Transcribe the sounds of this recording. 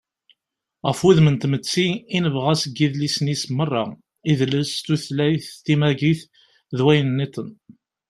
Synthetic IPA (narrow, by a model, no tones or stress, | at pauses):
ʁəfuðmənt̪mət͡sːiːnəvʁæsəɡːiðlisənismərˤːɑ̰ | iðləst̪uθlæjθt̪imæʝiθ | ðwæjənnːit̪ˤən